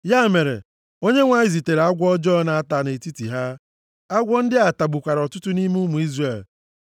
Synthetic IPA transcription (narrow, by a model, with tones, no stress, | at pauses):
ja˦˨me˨ɾḛ˨ | o˦ɲe˦ŋʷa˨ɪ˨zi˨te˨ɾa˦ɡʷɔ˦d͡ʒɔ˦na˨a˦ta˨ne˨ti˦ti˨ɦa˦ | a˦ɡʷɔ˦n̩˦dɪ˦a˨ta˨ɡ͡bu˨kʷa˨ɾɔ˨tʊ˦tʊ˦ni˦mu˦mu˨i˦zre˨l